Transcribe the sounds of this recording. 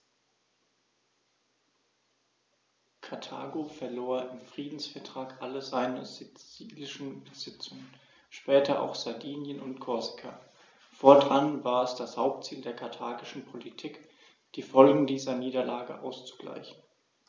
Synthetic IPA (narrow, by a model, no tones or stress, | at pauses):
kʰaɐtʰa̰ːɡofɛɐloːɐɪmfʁ̥iːdn̩sfɛɐtʁ̥aːkʔaləzaɪnəzɪiːlɪʃn̩bəzɪt͡sʊŋən | ʃpɛːtʰɐʔa̰ʊxz̥aɐdiːnjənʊntkʰɔzɪ̥kʰa̰ | foːɐdʁanvaːɐɛsd̥ashaʊp̚tt͡siːldeːɐkʰaɐtʰaːɡɪʃn̩pʰolitʰiːk | d̥iːfɔlɡŋ̩diːzɐniːdɐlaːɡə̰ʔa̰ʊst͡su̥ɡ̥la̰ɪçn̩